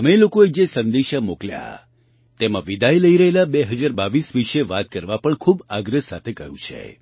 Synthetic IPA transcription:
əmelokoed͡ʒesənd̪eʃamoklja̰ | t̪emã̰ʋid̪ʱajləiɾəɦelabeɦəd͡ʒaɾbaʋisʋiʃeʋat̪̚kəɾʋapəɳkʰubaɡɾəsat̪ʰekəɦjũt͡ʃʰḛ

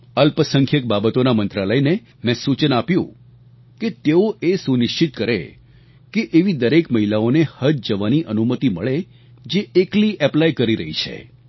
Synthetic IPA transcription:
əlpəsəŋkʰjək̚babət̪onamənt̪ɾaləjne | mɛ̃sut͡ʃənapjṵ̃ | ket̪eoʔesunɪʃt͡ʃit̪kəɾḛ | keʔeʋid̪əɾekməɦilaonehəd͡ʒd͡ʒəʋaniʔənumət̪iməɭe | d͡ʒeekliʔɛplajkəɾiɾəɦḭt͡ʃʰḛ

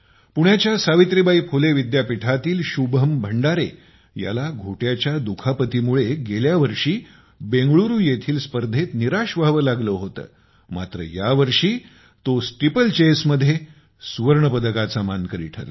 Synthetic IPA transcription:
puɳjat͡ɕjasaʋit̪ɾibaipʰoleʋid̪japiʈʰat̪iːlɕubɦəmbʱəɳɖaɾe | ja̰laɡʱoʈjat͡ɕjad̪ukʰapət̪iːmuɭeɡeljaʋəɾʂiː | beŋɡɭuɾuːjet̪ʰiːlspəɾd̪ʱet̪niɾaʂʋaɦʋəːlaɡləɦot̪ə̰ː | ma̰t̪ɾə̰jaʋəɾʂiː | t̪osʈipəlt͡ɕesməd̪ʱːje | suʋəɾɳəpəd̪əkat͡samankəɾḭːʈʰə̰ɾ̰

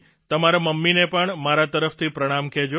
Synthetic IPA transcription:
t̪əmaɾaməmːinepəɳmaɾat̪əɾəft̪ʰipɾəɽ̃amked͡ʒo

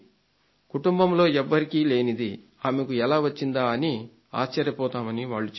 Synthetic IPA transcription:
kuʈumbɐmlo̞ːɛʋːɐɾikiːle̞ːnid̪i | aːmekuɛlaːʋɐt͡ʃːind̪aːɐni | a̰ːʃt͡ʃːɐɾjɐpɔːt̪aːmɐniʋaːɭːut͡ʃ

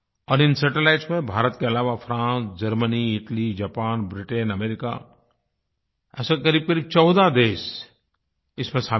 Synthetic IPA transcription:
ɔːɾɪ̃nsɛʈelaːɪʈsmẽbʱaːɾət̪keɐlaːʋafʰɾãːsd͡ʒɐɾməniɪʈəlid͡ʒaːpaːnbɾɪʈenɐmeːɾɪka̰ | ɛ̰ːsakɐɾiːb̚kɐɾiːb̚t͡ʃɔːd̪ad̪eːs | ɪsmẽsaː

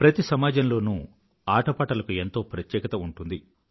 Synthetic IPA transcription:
pɾɐt̪isɐmaːd͡ʒɐmlo̞ːnu | aːʈɐpaːʈɐlɐkue̞nt̪o̞ːpɾɐt̪jɛːkɐt̪ɐuɳʈund̪i

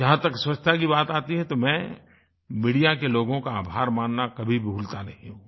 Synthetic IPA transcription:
d͡ʒɐɦãt̪ɐkswɐt͡ʃt̪ʰak̬ibaːt̪aːt̪iɦɛt̪omɛ̃ | miːɽijakeloːɡõkaaːbʱaːɾmaːnːakɐbʱibʱuːlt̪anɐɦĩɦũː

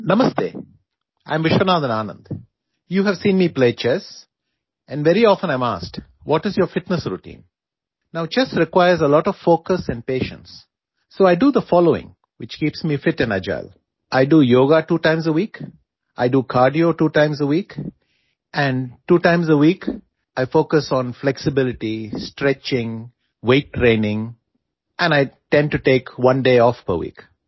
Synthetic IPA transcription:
nʌməsdḛː | ʔãɪ̃mʋɪʃənaːd̪ə̃naːnə̰̃nd̪ | juːɦɛʋsĩːnmiːpleːt͡ʃɛs | ɛ̃nɖʋɛɾiɔːfə̃nãɪ̃ma̰ːsk | ʋɔʈɪzjoɾfɪʈnəsɾuʈḭ̃ːn | naʊt͡ʃɛsɾɪkwaɪəɾzəlɔːʈɔʋfoːkəsɛ̃ɳɖ̚peːʃə̰̃nsː | oːaɪɖud̪əfɔːloːɪ̰̃ŋ | wɪt͡ʃkiːpsmiːfɪʈɨ̃na̰d͡ʒa̰ɪl | ʔaɪɖujoːɡaʈuːʈãɪ̃mzəwiːk | ʔaɪɖuːkʰaːɾɖioːʈuːʈãɪ̃mzəwiːk | ʔæ̃ɳɖʈuːʈãɪ̃mzəwiːk | ʔaɪfoːkəsɔ̃nflɛksɪbɪlɪʈisʈɾɛt͡ʃɪ̃ŋ | weɪʈːɾẽːnɪ̃ŋ | ʔɛ̃naɪʈɛ̃nɖ̚ʈuʈeːkwʌ̃nɖeːɔfpə̰wḭːk

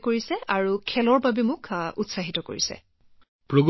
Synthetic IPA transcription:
koɹisɛaɹukʰɛlɔɹbabɛmʊkutsaɦitɔko̰ɹisɛ̰ | pɹoɡ

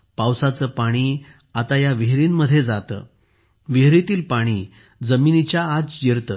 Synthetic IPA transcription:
pawsat͡səːpaɽ̃iː | at̪ajaʋiɦɾiːnməd̪ʱːjed͡zat̪ə̰ | ʋeɦɾit̪iːlpaɽ̃iː | d͡zəminit͡ɕjaːd͡zd͡ʑeɾt̪ə

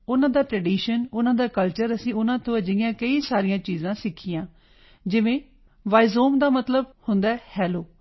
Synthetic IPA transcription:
ʊnãːd̪aːʈɾɛːɖiːʃənʊnãːd̪aːkəlt͡ʃəɾəsĩːʊnãːt̪õːəd͡ʒɪɪjãːkəiːsaːɾijãːt͡ʃiːzãːsɪkʰːiːãː | d͡ʒɪʋẽː | ʋaːizoːmd̪aːmət̪ləbhʊnd̪aːɛːhɛːloː

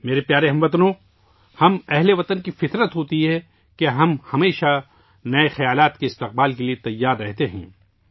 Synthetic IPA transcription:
meːɾepjaːɾeɦɐ̃mʋɐt̪nõ | hɐmɛɦleʋɐt̪ənkifɪt̪ɾət̪ɦoːt̪iɦɛ | keɦɐmhɐmeːʃa | nɐexɐjaːlaːt̪keɪst̪ɪq̚baːlkeliet̪ɐjːaːɾːɛɦt̪eɦɛ̰̃ː

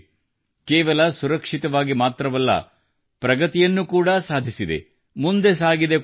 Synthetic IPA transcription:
kɛːʋɐlɐsuɾɐkʂit̪ɐʋaːɡimaːt̪ɾɐʋɐlːɐ̰ | pɾɐɡɐt̪ijɐnːukuːɽɐsaːd̪ʱisid̪e̞̰ | mund̪e̞saːɡid̪e

